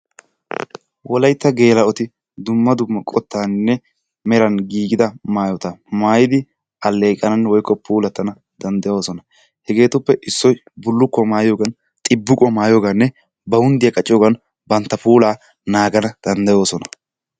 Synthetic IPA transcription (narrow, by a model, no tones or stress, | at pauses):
wɔlɐjt̪ːɐɡe̞ːlɐɔt̪ɪ | d̪ʊmːɐd̪ʊmːɐkʼɔt̪ːaːnːɛ | mɛɾɐnɡiːɡɪd̪ɐmaːjɔt̪ɐmaːjɪd̪ɪ | ɐlːe̞ːkʼɐnɐnːɛwɔjkːɔpʰuːlɐt̪ːɐnɐ | d̪ɐnd̪ɐjo̞ːsɔnɐ | hɛɡe̞ːt̪ʊpːɛʔɪsːɔj | bʊlːʊkːɔmaːjoːɡɐn | t̪ʼɪbːʊkʼɔmaːjoːɡanːɛ | bɐwʊnd̪ɪjɐkʼɐt͡ʃʼːɪjoːɡɐn | bɐnt̪ːɐpuːlaː | naːɡɐnɐd̪̥ɐnd̪ɐjo̞ːsɔnɐ